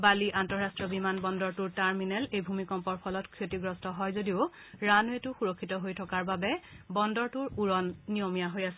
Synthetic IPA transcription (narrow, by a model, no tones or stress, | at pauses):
baliʔantɔɹastɹɔbimanbɔndɔɹtuɹtaɹminɛlejbʱumikɔmpɔɹpʰɔlɔtkʰɹotiɡɹɔstɔɦɔjzodiʊ | ɹanuetʊxuɹɔkʰːitɔɦojtʰɔkaɹbabɛbɔndɔɹtuɹuɹɔnːijomijaɦojasɛ